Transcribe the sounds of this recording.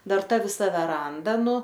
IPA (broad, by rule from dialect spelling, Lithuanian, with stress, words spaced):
ˈdɐr ˈtɐ ʋʲɪˈsɐ ˈʋʲæːrɐndɐ ˈnʊ